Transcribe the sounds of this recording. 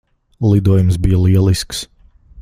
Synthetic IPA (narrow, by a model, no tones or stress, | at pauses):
lˠid̪uɔjumsbijəliɛlˠisks